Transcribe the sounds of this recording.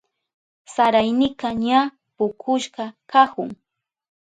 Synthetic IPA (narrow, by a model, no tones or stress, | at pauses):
saɾajnɪqaɲa | pʊkʰʊʃɢɑkakʊŋ